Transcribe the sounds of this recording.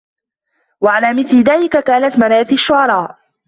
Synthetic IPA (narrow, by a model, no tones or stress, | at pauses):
waʕalaːmɪθlɪðaːlɪkakaːnat̪manaːθiʃːʊʕɑɾˤɑːʔ